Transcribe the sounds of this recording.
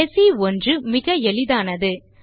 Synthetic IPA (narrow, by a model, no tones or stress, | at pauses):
ɛsiɔndrɯmɪɣɐɛɭɪðaːnɐðɯ